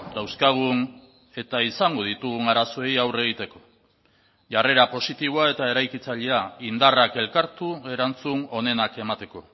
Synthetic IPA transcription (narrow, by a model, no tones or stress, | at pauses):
d̪awskaɣ̞un | e̞t̪aisaŋɡo̞ð̞it̪uɣunaɾaso̞ejawre̞ɣ̞it̪e̞ko̞̥ | ʝare̞ɾapo̞sit̪iβoae̞t̪ae̞ɾajkit͡saʎeaind̪arake̞lkaɾt̪ue̞ɾant͡suno̞ne̞nake̞mat̪e̞ko̞